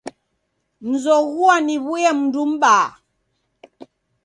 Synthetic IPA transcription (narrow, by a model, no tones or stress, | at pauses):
m̩zɔɣuwaniβujɛm̩ndum̩ɓaː